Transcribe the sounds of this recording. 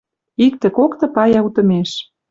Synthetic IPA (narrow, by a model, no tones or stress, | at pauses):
ik̚t̪ĕkokt̪ɤ̆pɑjɑut̪ɤ̆meʃ